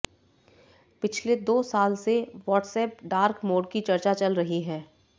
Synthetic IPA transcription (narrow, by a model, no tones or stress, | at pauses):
pɪt͡ʃʰled̪oːsaːlseʋɔːʈsɛːpɖaːɾkmoːɖkit͡ʃɐɾt͡ʃat͡ʃɐlɾɐɦiɦɛ̃ː